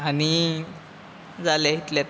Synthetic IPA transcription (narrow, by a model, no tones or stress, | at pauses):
añi | d͡zaljaɦit̪ljat̪